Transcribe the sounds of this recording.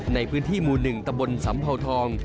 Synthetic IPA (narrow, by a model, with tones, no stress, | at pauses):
na˧jpʰɯː˦˥nt̪ʰiː˥˩muː˨˩nɯ˨˩ŋt̪a˧mbo˧nsa˩˦mpʰa˧wt̪ʰɔː˧ŋ